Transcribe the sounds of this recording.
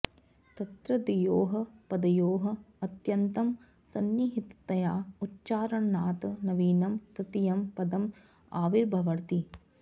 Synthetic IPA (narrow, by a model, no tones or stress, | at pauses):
t̪ɐt̪ɾɐd̪ijoːɦɐpɐd̪ɐjoːɦɐːt̪jɐnt̪ɐm | sɐnjiɦit̪t̪ɐjaːutːt͡ʃaːɾɐɳːaːt̪nɐʋiːnɐmt̪ɐt̪ijɐmpɐd̪ɐm | aːʋiɾbʱɐʋɐɾt̪i